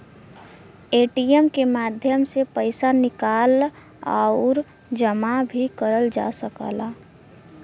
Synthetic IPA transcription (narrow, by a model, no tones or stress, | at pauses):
eːʈijəmkemaːd̪ʱjəmsepəɪsanɪkaːl | a̰ʊɾ | d͡ʒəmabʱikəɾəld͡ʒa̰səka̰ːla